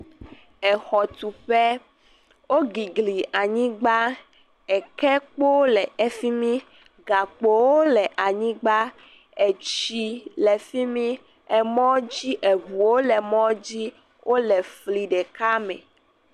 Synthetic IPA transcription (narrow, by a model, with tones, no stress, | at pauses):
ɛ˨xɔ˨t̪u˨ɸɛ˦ | wo˦ɡi˨ɡli˨a˨ɲĩ˦ɡ͡ba˦ | ɛ˨kɛ˦k͡po˦lɛ˨ɛ˨fi˦mĩ˦ | ɡa˨k͡po˨wo˦lɛ˨ʔa˨ɲĩ˦ɡ͡ba˦ | ɛ˨t͡ɕi˦lɛ˨fi˦mĩ˦ | ɛ˨mɔ̃˦d͡ʑi˦ʔɛ˨vu˨wo˦lɛ˨mɔ̃˦d͡ʑi˦ | wʔo˦lɛ˨fli˨ɖɛ˨ka˦mɛ̰̃˨